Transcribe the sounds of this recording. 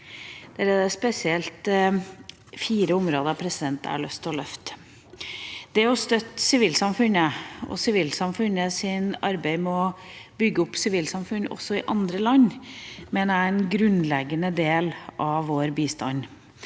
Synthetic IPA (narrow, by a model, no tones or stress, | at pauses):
d̪̥ɛɾɛd̪əspɛsɪɛlt̪ | fiːɾəʊmɾoːd̪əɾɑpʰɾɛsɪd̪ɛnt̪ə̰ɑ̰ɭœst̪ʰɔlœft̪ | d̪̥ɛɔst̪œt̪ːsɪʋiːlsɑmfʉnəɔ̰sɪʋiːlsɑmfʉnəsɪnɑɾbæɪmɛɔbʏɡːəʊpːsɪʋiːlsɑmfʉnːɔ̰sːɔɪʔɑnd̪ɾəlɑɲmɛnæɾɛnɡɾʉnlɛɡənəd̪eːlʔɑʋoːɾbiːst̪ɑ̰n